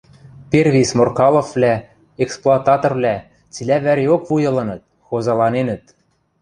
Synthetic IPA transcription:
perβʲismorkɑlˠŏflʲæ | eksplˠoɑt̪ɑt̪orvlʲæ | t͡silʲæβæɾʲeokvujɤ̆lˠɤ̆nɤ̆t̪̚ | xozɑlˠɑnenə̆t̪̚

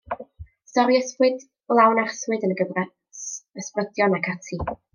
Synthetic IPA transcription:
stɔɾiəspwɨd | lˠawnarswɨdənəɡəvrɛ | səsprəd̥jɔnakʰatʰi

